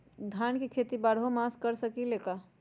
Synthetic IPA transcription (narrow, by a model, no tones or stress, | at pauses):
d̪ʱjaːnkikʰeːt̪ibaɽ̤omaskəɾsəkileka